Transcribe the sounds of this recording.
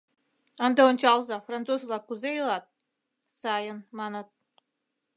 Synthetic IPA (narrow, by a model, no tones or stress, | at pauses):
ɑnd̪aont͡ɕɑlˠzɑfrant͡sosvlˠɑkːuzejlˠɑt̪̚ | sɑjənmɑnət̪̚